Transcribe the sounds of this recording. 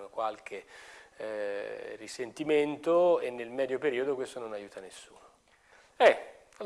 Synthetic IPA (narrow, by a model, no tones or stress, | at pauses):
okwalk̟ʰe | risent̪iment̪oenːelmɛːd̪jopeɾiːod̪okwest̪ononajuːt̪anesːuːno | ɛ